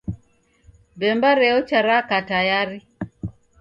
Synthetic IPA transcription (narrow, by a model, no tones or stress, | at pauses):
bɛmbaɾɛɔt͡ʃaɾakatajaɾi